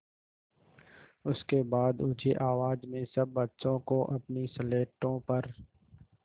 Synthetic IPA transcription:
ʊskebaːd̪ʊd͡ʒʰeʔaːʋaːd͡ʒmẽsɐbːɐtːʃõkoʔɐpnisəleːʈõpɐɾ

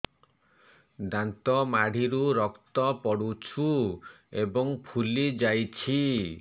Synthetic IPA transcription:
d̪ant̪ɔmaɽ̤iɾuɾɔkt̪ɔpɔɽut͡ʃʰu | ebɔŋpʰulid͡ʒajt͡ʃʰi

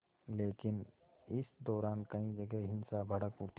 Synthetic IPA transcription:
leːkɪn | ɪsd̪ɔːɾaːnkɐĩd͡ʒɐɡɛɦɦɪnsabʱɐɽəkpʊɾt̪

